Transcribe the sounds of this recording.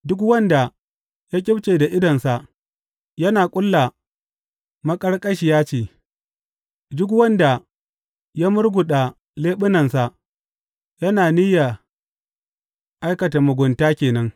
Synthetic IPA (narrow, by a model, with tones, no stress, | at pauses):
dʊ˦kwɐ˦nda˨ | jaː˦kʲʼɪ˦bt͡ʃeː˨da˨ʔɪ˦dɐ˨nsa˨ | jɐ˦naː˨kʷʼʊ˦lːa˨ | mɐ˦kʼɐ˦ɽkʼɐ˦ʃɪ˨jaː˦t͡ʃeː˨ | dʊ˦k̬wɐ˦nda˨ | ja˦mʊ˦rɡʷʊ˨ɗa˨ | leː˦ɓɪ˦nɐ˨nsa˨ | jɐ˦naː˨ni˦ja˨ | ʔa˦jkɐ˨ta˨mʊ˨ɡʷʊ˨ntaː˦kʲeː˨nɐ˦ŋ